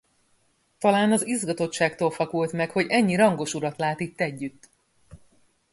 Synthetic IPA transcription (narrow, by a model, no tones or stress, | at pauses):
t̪ɒlaːnɒzizɡɒt̪o̞tʃaːkt̪oːlfɒkult̪mɛkho̞ɟɛɲːiɾɒŋɡo̞ʃuɾɒt̪laːt̪it̪ːɛɟːyt̪ː